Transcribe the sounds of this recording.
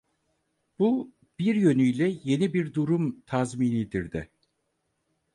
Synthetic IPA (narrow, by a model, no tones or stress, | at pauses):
b̥u | b̥iɾjø̞nyjlʲɛje̞nibiɾd̪uɾumt̪ʰazmiːnid̪iɾd̪ɪ